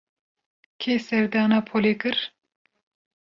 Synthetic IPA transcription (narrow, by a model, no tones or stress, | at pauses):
kʰeːsɛɾd̪ɑːnaːpʰolekɨɾ